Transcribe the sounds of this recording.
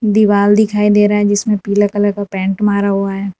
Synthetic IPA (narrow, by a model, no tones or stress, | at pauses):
d̪ɪʋaːld̪ɪkʰaːid̪eːɾaɦɛd͡ʒɪsmẽpiːləkɐləɡapɛ̃ːɳʈmaːɾaɦuaɦɛː